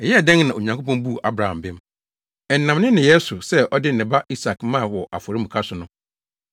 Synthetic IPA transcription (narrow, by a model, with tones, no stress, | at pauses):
ɛ˨jɛ˦ɛ˨dɛ̃˦ŋ˦nã˨o˨ɲã˨ŋkʰo˦pɔ̃˦mbu˦˨ʔa˦bɾa˨ã̰˨m˨bɪ˦m | ɛ˨n̩˦nã˨mnɪ̃˦nɪ̃˨jɛ˦sʊ˨sɛ˦ʔɔ˦dɪ˦n˨ɪ̃˨ba˦ʔi˦sa˨kmã˦˨wɔ˨ʔa̰˨fɔ˨ɾi˦m̩ũ˨kʰa˦sʊ˨nʊ̃˦